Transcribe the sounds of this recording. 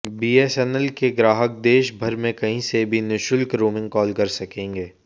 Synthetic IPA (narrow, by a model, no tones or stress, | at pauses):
biːeːsɛːnəlkeɡɾaːɦək̚d̪eːʃbʱɐɾmẽkɐɦĩsebʱinɪʃʊlkɾuːmɪ̃ŋɡ̚kɔːlkɐɾsɐkẽːŋɡeː